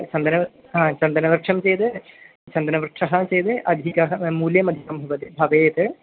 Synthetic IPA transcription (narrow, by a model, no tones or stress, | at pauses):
t͡ʃɐnd̪ɐnɐ | ɦãːt͡ʃɐnd̪ɐnɐʋɐɾkʂʰɐmt͡ʃejt̪ɨ | t͡ʃɐnd̪ɐnɐʋɐɾkʂɐɦɐt͡ʃejt̪ɨʔɐd̪ʱikɐɦɐmuːljɐmɐd̪ʱjisɐmbʱɐʋɐt̪ibʱɐʋeːt̪ɨ